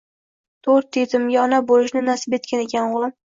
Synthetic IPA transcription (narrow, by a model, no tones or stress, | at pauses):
t̪ʰoɾt̪ʰːet̪ʰɪmɡʲaɒnabolɪʃnɪnasɪbe̞t̪̚kʲaneɡʲanʊlˠɪm